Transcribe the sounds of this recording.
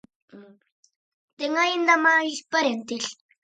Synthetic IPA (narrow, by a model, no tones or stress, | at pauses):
t̪eŋajind̪amaispaɾent̪iɬ